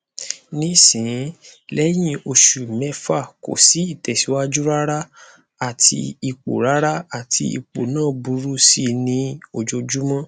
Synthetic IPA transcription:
nĩ˦sĩ˨˦lɛ˦j̃ĩ˦o˧ʃu˨mɛ˨˧˦fa˦˨ko̰˨si˨˦i˦˨tɛ˨si˨˦wa˦d͡ʒu˦ɾa˦ɾa˦ | a˦˨tʰḭ˧i˧k͡po̰˨ɾa˦ɾa˦a˦˨tʰi˧ḭ˨k͡po˨nãː˦˨bu˨˦ɾu˦si˦nĩ˧o˧˨d͡ʒo˧d͡ʒu˦mã˦

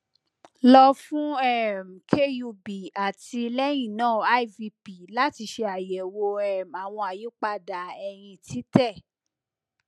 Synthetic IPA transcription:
lɔ˧fũ˦ɛ˦˨m˨kʰe˦ju˧bi˨a˨ti˧lɛ˦j̃ĩ˦˨nãː˦˨a˦i˦˨vi˧pi˨la˦ti˧ʃe˧a˨jɛ˨wo˧ɛ˦˨ma˨w̃ɔ̃˧a˨ji˨˦k͡pa˧da˨˦ɛ˧j̃ĩ˧tʰi˦tɛ˦˨

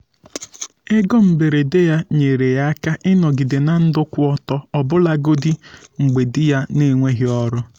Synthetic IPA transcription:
e˦ɡɔ˦m̩˨be˨ɾe˨de˦ja˦ɲe˨ɾe˨ja˦a˦ka˦ʔɪ˦nɔ˨ɡɪ˨de˨na˨n̩˦dʊ˦kʷʊ˦ɔ˦tɔ˦ɔ˨bʊ˦la˦ɡo˦di˦ŋ͡m̩˨ɡ͡be˨dɪ˦ja˦ne˨ŋʷe˦ɦɪ˦ɔ˦ɾʊ˦

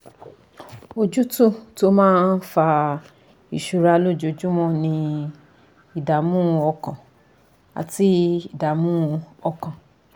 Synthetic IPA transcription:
o˧d͡ʒu˦tũ˦˨to˨˦mãː˦n̩˦fa˧ | i˨ʃu˨˧ɾa˧lo˦˨d͡ʒo˨d͡ʒu˦mɔ̃˦˨nĩ˧ | i˨da˨mũ˦˧ɔ˧kã˨ | a̰˨ti˨˦i˨da˨mũ˦˧ɔ˧kã˨

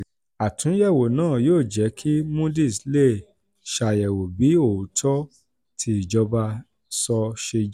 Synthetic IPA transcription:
a˨tũ˨˦jɛ˦˨wo˨nãː˦˨joː˦˨d͡ʒɛ˨˦kʰi˦mũ˦di˦˨sle˦˨ | ʃa˨jɛ˨wo˨bi˨˦o˨tʰɔ˦ | tʰi˧i˨d͡ʒɔ˧ba˧ | sɔ˧ʃe˧d͡ʒ

